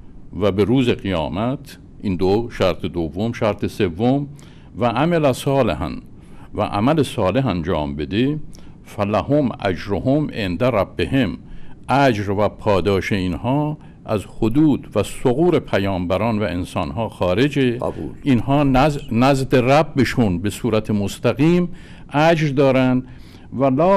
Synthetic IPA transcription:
væbeɾuːzeɣijɒ̰ːmæt̪ʰ | ʔind̪oʃæɾt̪ʰed̪ovːomʃæɾt̪ʰesevːom | væʔæmelæsɒːlḛɦæ̰n | væ̰ʔæ̰mælesɒːle̞ɦænd͡ʒɒ̰ːmbe̞d̪e | fælæhomæ̰d͡ʒɾohomʔend̪æɾæbːehemʔæd͡ʒɾvæpʰɒːd̪ɒːʃeinhɒː | ʔæzhod̪uːd̪væsoɣuːɾepʰæjɒːmbæɾɒːnvæensɒːnɦɒːxɒːɾe̞d͡ʒḛlinhɒːnnæzd̪eræbːeʃunbe̞suːɾæt̪ʰemost̪ʰæɣiːm | ʔæd͡ʒɾd̪ɒːɾænd̪ | vælɒː

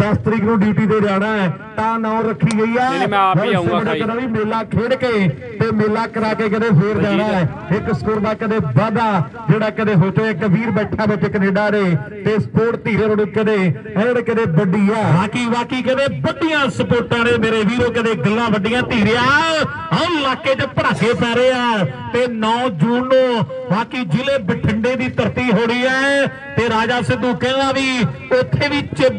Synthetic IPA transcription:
saːst̪əɾiːknũːɖjuːʈiːd̪eːd͡ʒaːɽ̃aːɛː | t̪ãːnãːõɾəkʰːiːd͡ʒəiːaːʋəəɽaːkəd̪ãːʋiːmeːlãːkʰeːɽkəẽː | t̪eːmeːlãːkəɾaːkeːkəd̪ẽːpʰeːɾd͡ʒaːɽaːɛː | ɪkskuːɾd̪aːkəd̪eːbaːd̪aː | d͡ʒeːɽaːkəd̪eːɦoːt͡ʃəːeːkəbiːɾbɛːʈʰːãːbɪt͡ʃɪkneːɖaːɾeːt̪eːsə̥poːʈt̪iːɾeːɾoːnũːkəd̪eː | ɛ̃ɽeːkəd̪eːbəɖiːaːbaːkiːʋaːkiːkəd̪eːbəɖɪjãːsəpoːɾʈãːneːmeːɾeːʋiːɾoːkəd̪eːɡəlːãːbəɖɪjãːt̪iːɾɪjãː | ɦə̃laːkːeːt͡ʃəpəɽaːkeːpɛːɾeːaːt̪eːnɔːd͡ʒuːnõːʋaːkiːd͡ʒɪleːbəʈʰəɳɖeːd̪iːt̪əɾt̪iːɦoːɽiːɛː | t̪eːɾaːd͡ʒaːsɪd̪uːkɛ̃ːãːʋiːʊt̪ʰːeːʋiːt͡ʃe

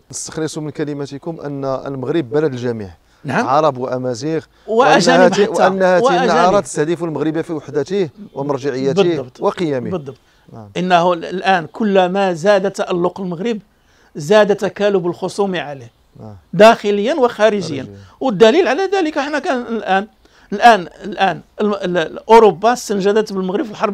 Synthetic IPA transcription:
nəst̪ə̥xlisˤumənkæləmæt̪ikʊmʔə̰nːə̰lməɣɾəbːæləd̪əlʒæmḭʕ | naʕmʕɑɾˤɑbwəʔæmæziɣ | wəʔæʒæhəb̪aw̪ːʔənːhæw̪æʒɑɾˤɑt̪ə̥st̪əhd̪ifulməɣɾəbafiwaħd̪ət̪ihwəmɑɾˤʒaʕəjːæb̪d̪ɑbt̪ˤwəqəjæmibəd̪ˤːɑb̚t̪ˤ | ʔənːæhlʔænkʰʊlːmæzæd̪at̪ːaʔælːʊqəlməɣɾəb | zæd̪æt̪ækælʊbəlxosˤumiʕalih | d̪æxələjːənwəxæɾəʒəjːənwəd̪ːælilʕalæd̪æləkħnækænlʔæn | əlʔænəlʔænllʔʊɾobːɑst̪ənʒæd̪æt̪bəlməɣɾəbfilħɑɾˤb

